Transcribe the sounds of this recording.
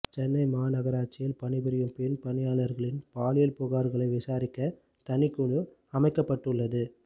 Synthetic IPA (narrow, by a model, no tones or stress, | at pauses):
t͡ʃɛnːɐɪmaːnɐɣɐɾaːt͡ʃːɪjɪlpɐɳɪbɪɾɪjɯmpɪnpɐɳɪjaːɭɐɾɣɐɭɪnpaːlɪjɐlpoːɣaːɾɣɐɭɐɪʋɪsaːɾɪkːɐ | t̪ɐɳɪkːuɳɯ | ɐmɐɪkːɐpːɐʈːɯɭːɐðɯ